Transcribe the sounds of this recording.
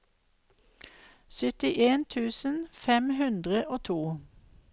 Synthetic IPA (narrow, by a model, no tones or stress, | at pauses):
sʏt̪ɪʔeːnt̪ʰʉːsən̩fɛmhʉnd̪ʁəʔoːt̪ʰuː